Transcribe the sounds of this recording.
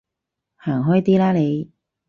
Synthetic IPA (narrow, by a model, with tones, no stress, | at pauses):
haː˨˩ŋɦɔː˥jt̪iː˥laː˥le˨˧j